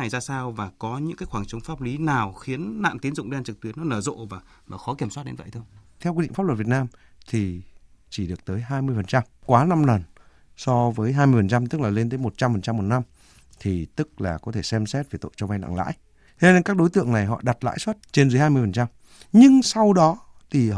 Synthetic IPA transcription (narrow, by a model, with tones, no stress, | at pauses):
a˨˩jzaː˧saː˧wvaː˨˩kɔ˨˦ɲɨ̰˧˥ŋkaː˨˦jxwaː˧˩ŋt͡ɕə˨˦wŋ͡mfaː˦˥p̚li˨˦naː˨˩wxi˨˦ənːa̰ː˧˨nt̪i˨˦ənzʊ̰˧˨ŋ͡mɗi˧a˧t͡ɕɨ˨˩t̪wi˨˦ənːɔ˨˦nəː˧˩zo̰˧˨vaː˨˩ | vaː˨˩xɔ˨˦ki˧˩əswa˦˥t̚ɗe˨˦nvə̰˧˨t̪ʰwt̪ʰɛ˧wki˧ḭ˧˨ŋfa˦˥lə˨˩vi˨˩t̚naː˧m | t̪ʰi˨˩ | t͡ɕi˧˩ɗɨ˨˩ək̚t̪əː˨˦jɦaː˧jmɨ˧əjfə˨˩nt͡ɕa˧mkwaː˨˦na˧mlə˨˩n | sɔ˧vəː˨˦jɦaː˧jmɨ˧əfə˨˩nt͡ɕa˧mt̪ɨ˦˥k̚laː˨˩le˧nt̪əː˨˦jmo˨˩t̚t͡ɕa˧mfə˨˩nt͡ɕa˧mːo˨˩t̚na˧m | t̪ʰi˨˩t̪ɨ˦˥k̚laː˨˩kɔ˨˦t̪ʰe˧˩sɛ˧msɛ˦˥t̚ve˨˩t̪o̰˧˨jt͡ɕɔ˧va˧jna̰˧˨ŋla̰ː˧˥j | t̪ʰe˧ne˧nkaː˦˥k̚ɗo˨˦jt̪ɨ̰˧˨əŋna˨˩jɦɔ̰˧˨ɗa˨˩t̚la̰ː˧˥jswə˦˥t̚t͡ɕe˧nzɨː˨˦jaː˧jmɨ˧əfə˨˩nt͡ɕa˧m | ɲɨ˧ŋsa˧wɗɔ˨˦ | t̪ʰi˨˩